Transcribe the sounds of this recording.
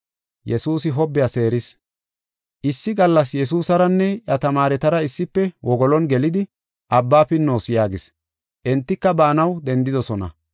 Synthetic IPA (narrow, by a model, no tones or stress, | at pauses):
jɛsuːs̬ɪɦɔbːɪjase̞ːɾɪs | ʔɪsːɪɡɐlːɐs̬jɛs̬uːsɐɾɐnːɛjɐt̪ɐmaːɾɛt̪ɐɾɐɪsːɪpːɛwʔɔɡɔlɔnɡɛlɪd̪ɪ | ʔɐbːaːfɪnːo̞ːsɪjaːɡɪs | ʔɛnt̪ːɪkːɐbaːnɐwd̪ɛnd̪ɪd̪ɔsɔnɐ̰